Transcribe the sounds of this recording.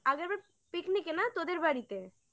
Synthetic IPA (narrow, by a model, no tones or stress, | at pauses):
aɡəɾbaɾ | piknikenat̪od̪eɾbaɽit̪e